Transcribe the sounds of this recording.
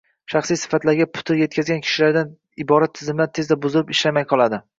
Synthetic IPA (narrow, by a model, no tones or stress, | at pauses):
ʃɑχsijsɪ̥fat̪laɾɡʲapʰʊ̥t̪ʰɪɾje̞t̪̚kʲʰazɡʲankʲʰɪ̥ʃɪlaɾd̪an | ɪbɒɾat̪ʰːɪzɪmlaɾt̪ʰe̞zd̪abʊzɪlɪpɪʃlamajqʰɒlˠad̪ɪ